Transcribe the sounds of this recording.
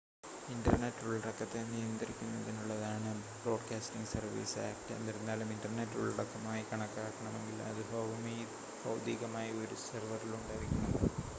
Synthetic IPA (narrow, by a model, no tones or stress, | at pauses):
inɖɐrneʈːuɭːiɽɐkːɐt̪ːe̞nijɐnd̪ɐɾikʲːunːɐðinuɭːɐðaːɳɨ | bro̞ːɖkaːsʈiŋɡsɐrʋḭːsa̰ːk̚ʈḛnːiɾunːaːluminɖɐrneʈːuɭiɽɐkːɐmaːjikɐɳɐkːaːkːɐɳɐme̞ŋɡilɐ̰ðɨbʱɐumi | bɐwd̪iːɣɐmaːjio̞ɾusɐrʋɐriluɳɖaːjiɾikʲːunːɐðɨ